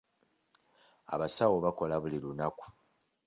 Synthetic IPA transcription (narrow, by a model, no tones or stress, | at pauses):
a̰βasawoβako̞laβulilunaku̥